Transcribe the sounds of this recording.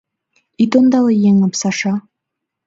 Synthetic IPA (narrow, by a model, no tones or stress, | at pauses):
it̪ond̪ɑlɤjeŋɤpsɑʃɑ